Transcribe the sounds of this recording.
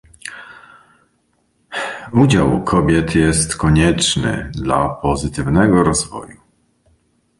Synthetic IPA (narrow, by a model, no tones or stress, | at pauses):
ud͡ʑawkʰɔbʲjɛt̪jɛst̪kɔɲɛt͡ʂnɘ̰d̪lapɔzɘt̪ɘvnɛɡɔɾɔzvɔ̰ju